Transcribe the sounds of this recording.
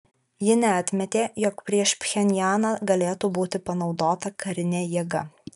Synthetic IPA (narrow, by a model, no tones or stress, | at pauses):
jɪnʲɛɐt̪ʲmʲɛt̪ʲeːjɔkpʲɾʲiɛʃpʲxʲɛnʲjæːnɑːɡɐlʲeːt̪uːbuːt̪ʲɪpɐnɒʊd̪oːt̪ɐkɐɾʲɪnʲeːjiːɡɐ